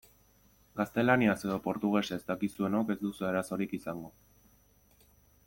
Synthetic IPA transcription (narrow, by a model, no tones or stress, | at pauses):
ɡast̪e̞laniase̞ðo̞po̞ɾt̪uɣ̞e̞ʃeːzt̪akisue̞noke̞zd̪usueɾaso̞ɾikisaŋɡo̞